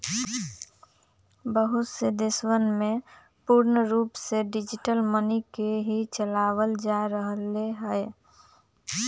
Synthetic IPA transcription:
bəɦʊt̪sed̪ɪswənmẽ | puɾnəɾuːpseɖɪd͡ʒɪʈəlmənikeɦit͡ʃəlaːwəld͡ʒaɾəɦəleɦɛ

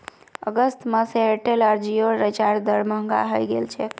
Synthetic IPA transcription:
ə̰ɡəst̪məseeʈelaɾd͡ʒioɾət͡ʃaɾd̪əɾməŋɡa̰ɦəjɡelt͡ʃʰɛ

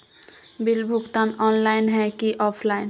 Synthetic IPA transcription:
bilbʱukt̪anɔnlajnɦɛkiʔɔpʰlajn

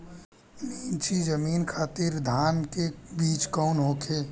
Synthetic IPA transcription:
niːt͡ʃid͡ʒəmiːnkʰaːt̪iːɾd̪ʱaːnkebiːt͡ʃkɔːnɦoːkʰeː

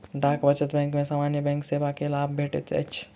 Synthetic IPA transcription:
ɖaːkbɐt͡ʃət̪bɛ̃ːŋkmẽsaːmaːnjəbɛ̃ːŋkseːbakelaːbbʱeːʈḛt̪ʰḛɐ̰t͡ʃʰ

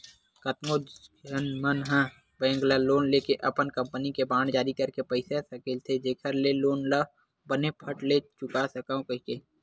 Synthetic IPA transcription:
kət̪moənmənɦãː | bɛ̃ːŋɡlaloːnleːkeʔɐpənkɐ̃mpənikebaːɳd͡ʒaːɾikɐɾkepəɪsesɐkelt̪ʰed͡ʒeːkʰəɾleloːnla | bənepʰəʈlet͡ʃʊkasəkaõkəikeː

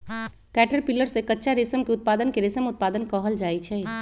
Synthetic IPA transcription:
kɛʈəɾpilːəɾsẽkətːʃʰaɾesəmkeʊt̪̚pad̪ənkeɾesəmut̪̚pad̪ənkəɦəld͡ʒaɛt͡ʃʰɛ

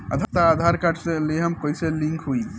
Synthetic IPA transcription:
ə̰t̪ʰət̪aːd̪ʱaɾkaʈʰseleɦəmkoiselĩŋkʰɦuj

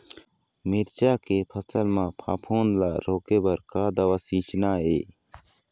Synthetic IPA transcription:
miɾt͡ʃaːkeːpʰəsəlmãːpʰa̰ːpʰoːnlaːɾoːkeːbəɾkaːd̪ɐwaːsiːt͡ʃnaːeː

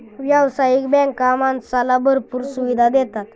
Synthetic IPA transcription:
ʋjəʋsajikbɛ̃ŋkːamãnsalabəɾpuːɾsuʋid̪ʱad̪ɛt̪at̪

